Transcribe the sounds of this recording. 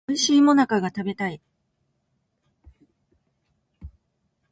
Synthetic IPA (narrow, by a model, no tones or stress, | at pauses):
ɯ̟ɕiːmo̞nakaɡat̪abe̞t̪ai